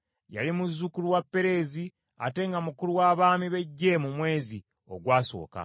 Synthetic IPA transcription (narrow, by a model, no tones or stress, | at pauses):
ja̰limuzːukuluwapːe̞ɾe̞zi | a̰te̞ŋɡamukuluwaβaːmiβe̞ɟːe̞mumwe̞ːzi | o̞̰ɡwaːso̞̰ːka̰